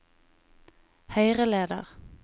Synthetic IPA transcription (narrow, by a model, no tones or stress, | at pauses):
hœʏʁəleːd̪ə̰ʁ